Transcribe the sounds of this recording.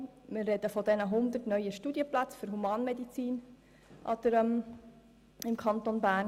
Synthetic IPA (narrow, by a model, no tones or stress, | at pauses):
mɪɾrɛd̥̪əfɔdɛnəɦʊnd̪ətnœʏəʃtudjəplat͡sfʏɾɦumɑːnmɛd̪it͡siːn | ʔɑd̪̥əɾəm | ɪmkʰɑnt̪onbæːɾn